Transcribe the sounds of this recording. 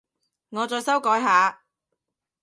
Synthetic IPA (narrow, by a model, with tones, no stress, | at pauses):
ŋɔː˨˧t͡sɔː˧jsɐ˥wkɔː˨˥jɦaː˨˧